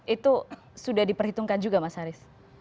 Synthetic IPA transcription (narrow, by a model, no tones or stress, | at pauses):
it̪u | sudahdipərhit̪uŋkand͡ʒuɡamasaɾɪs